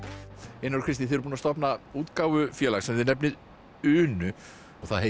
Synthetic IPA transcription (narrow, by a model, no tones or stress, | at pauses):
ejnːaɾ̥kʰvɪst̪ɪθeɾpunast̪ɔpnauːt̪kaːwvʏfjɛːlaɣsɛmɛðnɛpnɪð | ʏːnʏ | ɔɣθaðhe